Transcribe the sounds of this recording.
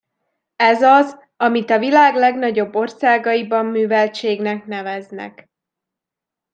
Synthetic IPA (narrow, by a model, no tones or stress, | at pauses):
ɛzɒz | ɒmit̪ɒvilaːɡlɛɡnɒɟo̞bːo̞rsaːɡɒibɒmːyːvɛlt͡ʃeːɡnɛknɛvɛznɛ̰k